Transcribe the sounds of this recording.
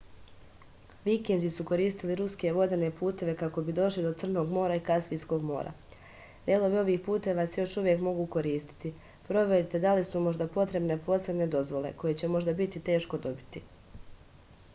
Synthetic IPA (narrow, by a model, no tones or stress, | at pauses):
ʋikenzisuko̞ɾiːst̪iliɾuske̞ʋo̞d̪e̞ne̞puːt̪e̞ʋe̞kako̞bid̪o̞ʃlid̪o̞t̪sr̩no̞ːɡmo̞ːɾaikasʋiːsko̞ːɡmo̞̰ːɾa̰ | d̪̥elˠo̞ʋio̞ʋiːxpuːt̪e̞ʋasejo̞ʃuʋje̞kmo̞ɡuːko̞ɾiːst̪i̥t̪i | pɾo̞ʋe̞ɾit̪e̞d̪alisumo̞ʒd̪apo̞t̪ɾe̞bne̞po̞se̞bne̞d̪o̞zʋo̞le̞̰ko̞je̞t͡ɕemo̞ʒd̪abit̪it̪e̞ːʃko̞d̪o̞bit̪i